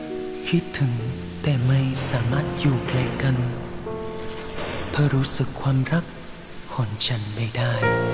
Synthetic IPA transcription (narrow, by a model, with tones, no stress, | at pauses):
xi˦˥t̚t̪ʰɨ˨˩˦ŋ | t̪ɛ˧˩mə˧jsaː˧˩˦ma˦˥t̚zu˧˩klɛ˧˩ka˧n | t̪ʰəː˧ɾo˨˦sɨ˨˩k̚xwa˧nza˦˥k̚ | xɔ˨˩nt͡ɕa˧˩ŋɓə˧˩jɗaː˧j